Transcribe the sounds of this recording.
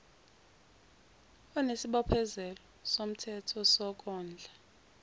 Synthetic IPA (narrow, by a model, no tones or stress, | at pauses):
ɔnesiɓɔpʰɛzɛlɔsom̩tʰɛtʰɔsɔk̬ʼɔːnd͡ɮʱa